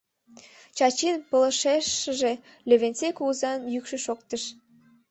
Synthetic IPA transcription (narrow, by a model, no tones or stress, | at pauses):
t͡ɕɑt͡ɕinpələ̆ʃeʃəʒe | løβent͡sekouzɑnjykʃø̆ʃok̚t̪əʃ